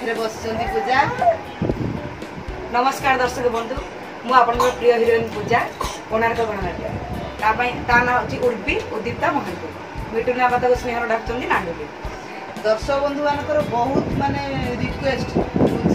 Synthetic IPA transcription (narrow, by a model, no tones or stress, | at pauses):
ɾebɔst͡ʃɔnd̪ipud͡ʒa | nɔmɔskaɽd̪ɔɾsɔkɔbɔnd̪ʱu | mũapɔɽ̃ɔɔpɾijɔɦiɾenpud͡ʒa | oɽ̃aɾet̪ɔbɔɽɔnat̪iat̪apaĩt̪anaɦt͡ʃʰiʔuɾbiud̪ip̚t̪amɔɦɔnt̪u | miʈunabat̪ɔkusnẽɦɔɾɔɖakt͡ʃɔnd̪inaɳɖʱuli | d̪ɔɾsɔbɔnd̪ʱuanɔŋkɔɾɔbɔɦut̪maneud̪iʈkwesʈ